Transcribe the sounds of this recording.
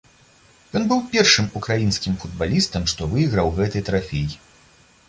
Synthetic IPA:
jɔnbɨwpʲɛrʂɨmukɾajinsʲkʲimfud̪balʲist̪ɐmʂt̪ɔvɨjiɣɾɐwɣɛt̪ɐjt̪ɾafʲeji

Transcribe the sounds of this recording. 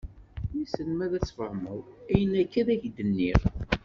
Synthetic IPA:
jisənmæðæt͡sːfəhməðˤæjənækːæðæçd̪ənːiʁ

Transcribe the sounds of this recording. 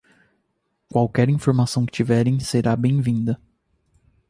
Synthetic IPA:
kwawkɛɾĩfoɾmasɐ̃w̃kɪ̥t͡ʃivɛɾẽj̃seɾabẽj̃vĩnd̪ɐ

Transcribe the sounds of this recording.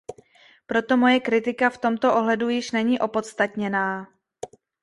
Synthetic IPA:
pɾo̞t̪o̞mo̞jɛkɾɪt̪ɪkaft̪o̞mt̪o̞ʔo̞ɦlɛdujɪʃnɛɲiːʔo̞po̞t̪st̪at̪ɲɛnaː

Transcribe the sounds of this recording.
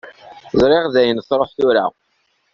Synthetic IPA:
zɾɪʁðæjənθɾˤoħθʊɾa̰

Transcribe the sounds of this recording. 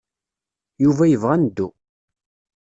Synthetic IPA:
juvæjəvʁænəd̪ːṵ

